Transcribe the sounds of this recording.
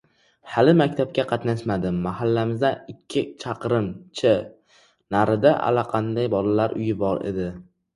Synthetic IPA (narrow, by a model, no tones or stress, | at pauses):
halɪmakʲt̪ʰap̚kʲaqʰɑt̪naʃmad̪ɪmːahalːamɪzd̪aɪkʲʰːɪt͡ʃʰɑqɾɪmt͡ʃʰɪ | naɾɪd̪aʔa̰laqʰɑnd̪ajbɒlalaɾʔʊ̰jɪbɒɾḛd̪ɪ